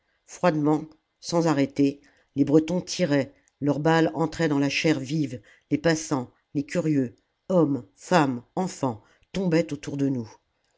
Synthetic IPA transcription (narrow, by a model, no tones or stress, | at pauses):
fχwad̪mɑ̃ | sɑ̃zaʁet̪e | lebʁət̪ɔ̃t̪ʰiʁɛ | lœʁbalɑ̃t̪χɛd̪ɑ̃laʃɛʁviv | lepasɑ̃ | lekʲyʁjø | ɔmfamɑ̃fɑ̃ | t̪ɔ̃bɛt̪ot̪uʁd̪ənu